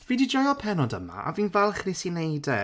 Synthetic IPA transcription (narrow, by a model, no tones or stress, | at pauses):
viːdid͡ʒɔjɔpʰɛnɔdəma̰ʔa̰viːnvɛlˠχrɪsinejdɛ